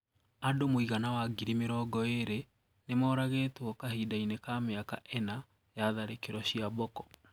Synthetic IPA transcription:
adomoiɣanawaɡiɾimeɾɔɡɔeɾe | nemɔːɾaɣetwɔkaɦidainekameaka̰ʔɛna | jaðaɾekeɾɔɕiabɔkɔ̥

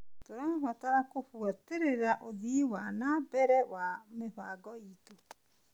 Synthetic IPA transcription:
toɾaβataɾakoɸuateɾeɾaʔoðiwanabɛɾɛwameɸaɡɔito

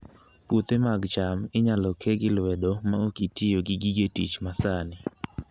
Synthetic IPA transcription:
put̪emaɡt͡ʃamɪɲalɔkʰeɡɪlwɛdomaokitɪjoɡɪɡiɡetḭt͡ʃmasanɪ

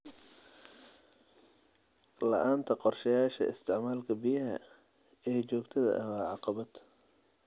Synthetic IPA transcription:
lɐ̰ʔaːnt̪ʰɐqɔrʃɐjaːʃɐ̰ɪ̰st̪ʰɪʕmaːlkʰɐbijɐɦɐ | ɛːt͡ʃɔːɡt̪ʰɐðɐ̰ʔɐwɑːʕɑqɑβɐd̪̥

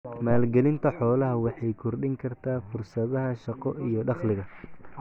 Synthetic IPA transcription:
maːlɡɛlɪnt̪ʰɐħɔːlɐɦɐwɑħɑjkʰʊrɖɪŋkʰɐrt̪ʰaːfʊrsɐðɐɦɐʃɑqɔʔijɞɖɑχlɪɣɐ

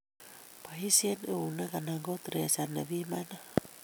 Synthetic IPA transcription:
paɦisieneunakanaɡot̪ɾesaneβimana

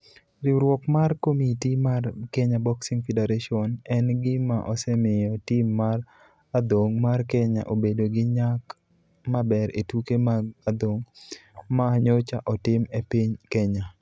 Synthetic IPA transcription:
ɾɪɾwɔkmarkomitimarkɛɲabɔksiŋfedeɾaʃiɔnɛnɡɪmaʔɔsɛmɪjɔtimːar | ad̪oŋmarkɛɲa̰ʔobedoɡɪɲak | mabɛɾetukemaad̪oŋmaːɲot͡ʃaʔɔtɪmepiɲkɛɲa

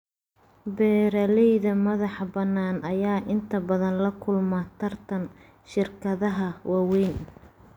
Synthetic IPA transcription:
bɛːɾɐlɛjðɐmɐðɑħbɐnːaːnʔɐjaːʔɪnt̪ʰɐbɐðɐnlɐkʰʊlmɐt̪ʰɐrt̪ʰɐn | ʃɪrkʰɐðɐɦɐwɑːwɛjn

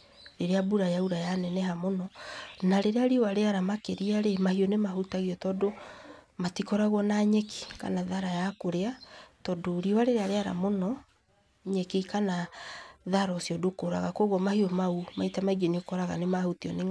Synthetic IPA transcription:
ɾeɾeabuɾajauɾajanɛnɛɦamonɔnaɾeɾeaɾiɔwaɾeaɾamakeɾiaɾemahiɔnemahutaɣiɔtɔdo | matikɔɾaɣɔnaɲɛki̥ka̰naðaɾajakoɾeatɔdoɾiwaɾeɾeaɾeaɾa̰monɔ | ɲɛkikanaðaɾɔsiɔdokoɾa̰ɣakwoɣwɔmahiɔmaumaitamaiɡeniokɔɾaɣa̰nemahutiɔne

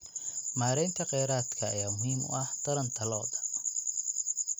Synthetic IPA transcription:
maːɾɛjnt̪ʰɐqɛjɾaːt̪kʰɐːjaːmʊɦiːmʊ̰ʔɐht̪ʰɐɾɐnt̪ʰɐlɔːðɐ

